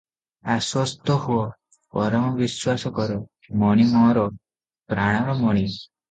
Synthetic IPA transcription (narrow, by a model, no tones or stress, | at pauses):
aswɔst̪ɔhuɔ | pɔɾɔmɔbiswasɔkɔɾɔ | mɔɽ̃imɔɾɔ | pɾaɽ̃ɔɾɔmɔɽ̃i